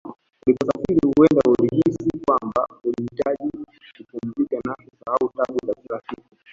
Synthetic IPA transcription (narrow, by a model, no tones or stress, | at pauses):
ulipasafiɾihuwɛndauɾihisikwambaulihitaʄi | kukumzikanahisahautaɓuzakilafiku